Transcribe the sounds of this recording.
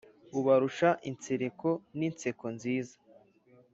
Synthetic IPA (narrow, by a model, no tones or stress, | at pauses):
uβaɾuʃaʔint͡seɾeko̞nint͡sekonziːzḁ